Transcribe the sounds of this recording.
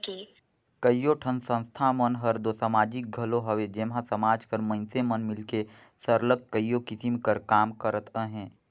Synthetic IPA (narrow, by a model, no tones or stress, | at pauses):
ki | kəijoʈʰənsə̃nst̪ʰamənɦɐɾd̪osɐmaːd͡ʒik̚ɡʱɐloɦɐʋed͡ʒeːmɦãsɐmaːd͡ʒkəɾmə̃nsemənmɪlke | səɾləɡ̚kəjːokɪsimkəɾkaːmkəɾət̪əɦɛ̃ː